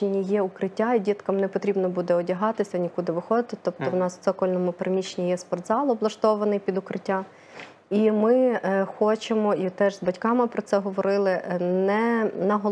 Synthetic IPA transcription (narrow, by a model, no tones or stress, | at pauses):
enʲijɛʊkɾɪtʲːaidʲit̪kɐmnepɔt̪ɾʲibnɔbud̪ɛɔdʲɐɦɑt̪ɪsʲɐnʲikud̪ɪʋɪxɔd̪ɪt̪ɪt̪ɔp̚t̪ɔwnɑssɛkɔlʲnɔmʊpɾmʲit͡ʃenʲijɛspɔrd̪zɑlˠɔblˠɐʃt̪ɔʋɐnɪjpʲid̪ʊkɾɪtʲːa | imɪxɔt͡ʃemɔit̪ɛʒzbɐtʲkɑmɪpɾɔt̪sɛɦɔʋɔɾɪlˠɪnɛnɐɦɔ